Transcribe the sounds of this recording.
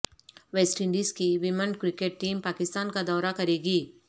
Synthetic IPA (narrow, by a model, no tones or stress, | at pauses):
ʋeːsʈɪ̃ɳɖiːzkiʋɪmə̃nɖkɾɪkeːʈ̚ʈiːmpaːkɪst̪aːnkad̪ɔːɾakɐɾeːɡiː